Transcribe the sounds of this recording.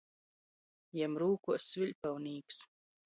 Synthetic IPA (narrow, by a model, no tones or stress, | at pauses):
jɛmɾuːkuɔsːvʲiʎʲpɛwniːks